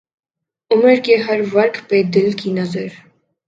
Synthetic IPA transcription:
umɛɾkɛɦaɾvɑɾkʰpɛd̪ɛlkʰinɑzɛɾ

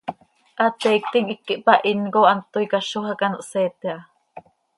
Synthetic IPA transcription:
ʔat̪ɛik̚t̪iŋikːiʔpaʔinkoʔant̪oikaʃohakanoʔsɛːt̪eʔa

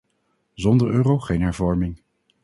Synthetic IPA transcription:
zɔndəɹøːrowχejnɦɛɹvɔɹmɪŋ

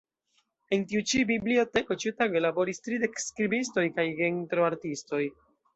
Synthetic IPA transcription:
e̞ntiut͡ʃibiblio̞te̞ko̞t͡ʃiutaɡolabo̞ɾistɾide̞kskɾibis̬to̞jkajɡentɾoaɾtisto̞j

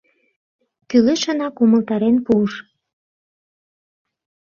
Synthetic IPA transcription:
kyleʃə̆nɑkumə̆lt̪ɑɾenpuʃ

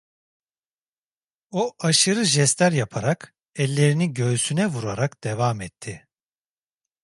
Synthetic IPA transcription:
oʔaʃɯɾɯʒɛst̪æɾjapʰaɾak | ɛlʲːe̞ɾiniɟø̞ːsynɛvuɾaɾakd̪̥evamɛt̪ʰːɪ

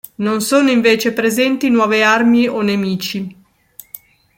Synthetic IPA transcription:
nonsoːnoiɱveːt͡ʃepɾezɛnt̪inwɔːvearmionemiːt͡ʃi

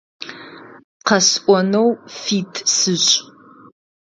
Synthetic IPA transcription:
qɐsʔʷɔnowfiːtʰʼsɨɕʼ

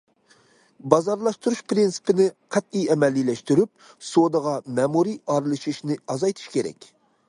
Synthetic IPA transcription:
bɑzɑɾlˠɑʃt̪uɾuʃpɾinsɨ̥pɪnɪqʰæt̪ijɛmɛlːilɛʃt̪yɾyp̚ | sod̪əʁɑmɛmuɾiʔɑɾɨlˠɨʃiʃnɪɑzɑjt̪ʰɨ̥ʃkʲeɾɛ̰kʲ

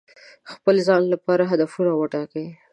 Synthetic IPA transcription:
xpəlzɑnlapɑɾaɦad̪afunawəʈɑke

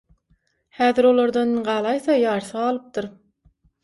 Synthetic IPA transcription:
hæːðiɾo̞lˠoɾd̪ɑnɢɑːlˠɑjθɑjɑːɾθɯʁɑːlˠɯp̚t̪ɯɾ

